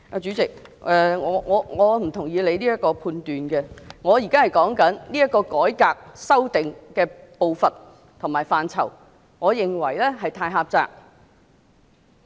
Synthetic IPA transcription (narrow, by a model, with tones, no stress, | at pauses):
ʔaː˧t͡ʃyː˨˥t͡sɪ˨k̚ʔɛ˨˧ŋɔː˨˧ŋɔː˨˧ŋɔː˨˧m̩˨˩t̪ʰʊ˨˩ŋjiː˨˧le˨˧jniː˥jɐ˥t̚kːɔː˧pʰuː˧nt̪yː˨nkɛ˧ŋɔː˨˧ji˨˩kaː˥hɐ˨˩jkɔː˨˥ŋkɐ˨˥nliː˥ɐ˥kːɔː˧kɔː˨˥jkaː˧k̚sɐ˥wt̪ɪ˨ŋkɛː˧po˨wfɐ˨n | t̪ʰʊ˨˩ŋmaː˨˩jfaː˨nt͡sʰɐ̰˨˩w | ŋɔː˨˧jɪ˨ŋwɐ˨˩jlɛː˥ɦɐ˨jt̪ʰaː˧jɦaː˧p̚t͡sa̰ː˧k̚